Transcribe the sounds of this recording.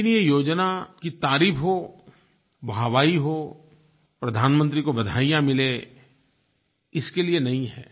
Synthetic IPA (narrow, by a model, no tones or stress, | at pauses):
nijejoːd͡ʒnakit̪aːɾiːpɦo | bʱaːʋaːiɦo | pɾɐd̪ʱaːnmə̃nt̪̬ɾikobɐd̪ʱa̰ːijãmɪle | ɪskelienɐɦĩɦɛ̰ː